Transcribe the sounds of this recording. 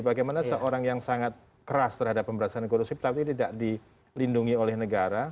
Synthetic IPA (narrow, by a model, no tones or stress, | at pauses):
baɡajmanasəʔoɾaŋjaŋsaŋat̪̚ | kəɾast̪ərhadapːəmbəɾasaankoɾusipə̥t̪apt̪it̪idaʔdi | linduŋiolɛhnəɡaɾa